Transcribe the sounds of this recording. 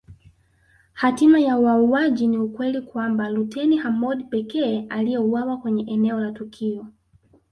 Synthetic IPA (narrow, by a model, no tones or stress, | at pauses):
hatimajauwauaʄiniukwɛlikwambalutɛnihamɔdpɛkɛːaliɛuwawakwɛɲɛʔɛnɛɔlatukʰiɔ